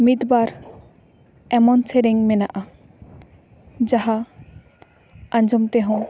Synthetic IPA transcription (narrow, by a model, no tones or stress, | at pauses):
mid̪baɾ | ɛmɔnt͡sʰeɾeŋmɛnaʔa | d͡ʒaɦa | ãnd͡ʒɔmt̪ɛɦõ